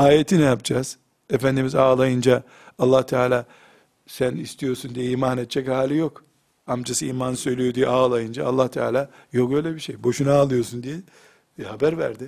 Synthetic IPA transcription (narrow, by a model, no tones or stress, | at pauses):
aːjet̪ʰinɛjapd͡ʒaːz̥ | efænd̪imizaːlˠajɯnd͡ʒa | alːaːht̪ʰaːlʲaː | sænist̪ʰijo̞ɾsund̪ijɛiːmanet̪̚t͡ʃʰːɛchaːlʲijo̞k | amd͡ʒasɯiːmansø̞jlʲijo̞d̪ijɛʔaːlˠajɯnd͡ʒa̰ːlˠːaht̪ʰa̰ːlʲaːjo̞kø̞jlʲɛbiʃejbo̞ʃunaːlˠɯjo̞sund̪ijɛ | habæɾvæ̰ɾd̪ɪ